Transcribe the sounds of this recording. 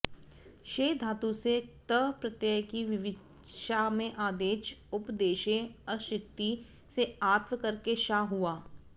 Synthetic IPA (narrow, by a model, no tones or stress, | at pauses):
ʃeːd̪ʱaːt̪uset̪əpɾɐt̪jəkiʋɪʋɪ | ʃamẽʔaːd̪eːʃʊpd̪eːʃẽɐʃɪkt̪i | seaːt̪ʋəkɐɾkeʃaːɦuaː